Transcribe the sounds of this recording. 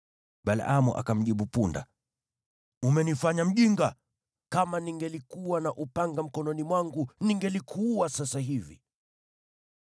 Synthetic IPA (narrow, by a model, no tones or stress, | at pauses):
ɓala̰amṵʔa̰kam̩ʄiɓupunda̰ | umɛnifaɲam̩ʄiŋɡa | kamaniŋɡɛlikuwanaʔupaŋɡam̩kɔnɔnimwaŋɡuniŋɡɛlikʰuːwasasaɦivḭ